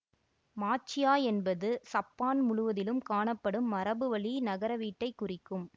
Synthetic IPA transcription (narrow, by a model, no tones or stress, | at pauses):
maːt͡ʃːɪjaːɛnbɐðɯsɐpːaːnmʊɻʊʋɐðɪlɯmkaːɳɐpːɐɽɯmːɐɾɐbɯʋɐɭinɐɣɐɾɐʋiːʈːɐɪkːʊrɪkːɯm